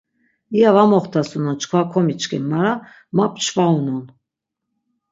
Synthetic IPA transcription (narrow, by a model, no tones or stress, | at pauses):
iavamɔχt̪ʰasunɔt͡ʃʰkʰvakʰɔmit͡ʃkʰimaɾa | map̚ʰʼt͡ʃʰvaunɔn